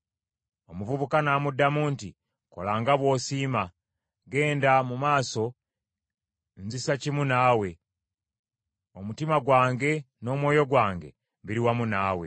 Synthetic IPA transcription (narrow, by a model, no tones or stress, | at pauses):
o̞muvuβukanaːmudːamuːnti | ko̞̰laːŋɡaβwo̞ːsiːma | ɡe̞ːndamumaːso̞ | nzisacimunaːwe̞ | omutimaɡwaːŋɡe̞ | no̞mwo̞ːjo̞ɡwaːŋɡe̞̰ | βiɾiwamunaːwe̞̰